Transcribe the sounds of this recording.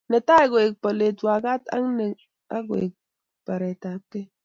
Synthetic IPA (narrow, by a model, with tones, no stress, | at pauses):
ne˨ta˦e˦˨ɡʷe˨e˨k̚pa˨le˨twa˨ɡa˦ta̰˦ŋne˨ | a̰˦ɡwḛ˨e˨k̚ | pa˨ɾe˨ta˨˦kːe˦